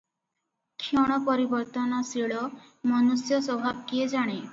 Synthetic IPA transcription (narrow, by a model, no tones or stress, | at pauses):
kʰjɔɽ̃ɔpɔɾibɔɾt̪ɔnɔsiɭɔ | mɔnusjɔsɔbʱabkied͡ʒaɽ̃e